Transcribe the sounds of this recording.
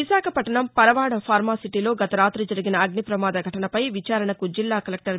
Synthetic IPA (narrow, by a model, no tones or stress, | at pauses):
isaːkʰɐpɐʈɐɳɐmpɐɾɐʋaːɽɐpʰaːɾmaːsiʈiːlo̞ːɡɐt̪ɐɾaːt̪ɾɐd͡ʒɐɾiɡinɐːɡnipɾɐmaːd̪ɐɡʱɐʈɐnɐpɐjʋit͡ʃaːɾɐɳɐkud͡ʒilːaːkɐlɐk̚ʈɐɾ